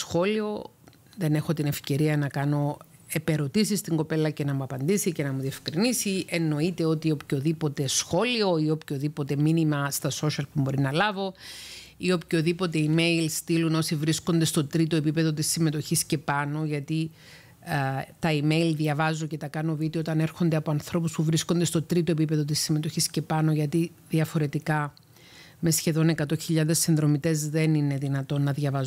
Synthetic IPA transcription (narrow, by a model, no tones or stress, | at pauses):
sxo̞lio̞ | ðe̞ne̞xo̞t̪ine̞fce̞ɾiɐnɐkɐno̞ | e̞pe̞ɾo̞t̪isist̪iŋɡo̞pe̞lɐce̞nɐmuɐpɐnd̪isice̞nɐmuðie̞fkɾinisiʔe̞nːo̞it̪e̞o̞t̪iopço̞ðipo̞t̪e̞sxo̞lio̞io̞pço̞ðipo̞t̪e̞minimɐst̪ɐso̞ʃɐlpumbo̞ɾinɐlɐvo̞ | io̞pço̞ðipo̞t̪e̞ime̞ilst̪iluno̞sivɾisko̞nd̪e̞st̪o̞t̪ɾit̪oe̞pipe̞ðo̞t̪isːime̞t̪o̞çisce̞pɐno̞ʝɐt̪i | t̪ɐime̞ilðjɐvɐzoce̞t̪ɐkɐno̞vit̪io̞t̪ɐne̞ɾxo̞nd̪e̞ɐpo̞ɐnθɾo̞puspuvɾisko̞nd̪e̞st̪o̞t̪ɾit̪o̞epipe̞ðo̞t̪isːime̞t̪o̞çisce̞pɐno̞ʝɐt̪i | ðiɐfo̞ɾe̞t̪ikɐ | me̞sçe̞ðo̞ne̞kɐt̪o̞çiʎɐðe̞sːinðɾo̞mit̪e̞zðe̞nine̞ðinɐt̪o̞nːɐðʝɐvɐz